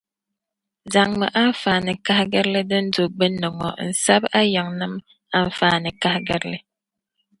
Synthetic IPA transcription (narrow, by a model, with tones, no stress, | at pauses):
za˨ŋmə˨ʔa˦ɱ̩˦fa˨nə˨ka˦ɡə˦ɾlə˦də˦n̩˦do˨ɡ͡bə˦nːə˨ŋɔ̰˨n̩˨sa˦ba˦jə˨ŋnə˦m | a˦ɱ̩˦faː˨˦nə˨ka˦hɡə˦ɾlə˦